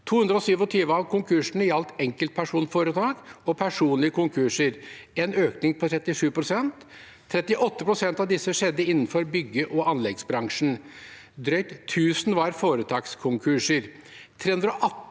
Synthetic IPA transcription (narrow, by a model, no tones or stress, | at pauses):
t̪ʰuːʉnd̪ɾɔsyːʋɔt̪ʰiːʋəɑʋkʰʊŋkʰʉʂɳ̩əjɑlt̪ɛŋkəlt̪̚pʰæʂuːnfoːɾət̪ʰɑːɡɔpʰæʂuːnlɪəkʰʊŋkʰʉʂəɾenøːknɪŋpʰɔt̪ʰɾɛt̪ːɪʂʉːpɾʊsɛnt̪ʰː | ɾɛt̪ːɪʔɔt̪ːəpʰɾʊsɛnt̪ɑʋd̪ɪsːəʂɛd̪ːəɪnːn̩fɔɾbʏɡəʔɔʔɑnlɛɡsbɾɑŋʂn̩ | d̪ɾœʏt̪ʰːʉːsn̩ʋɑɾfoːɾət̪ʰɑːkskʰʊŋkʰʉʂəɾ | t̪ʰɾeːhʉnd̪ɾɔʔɑ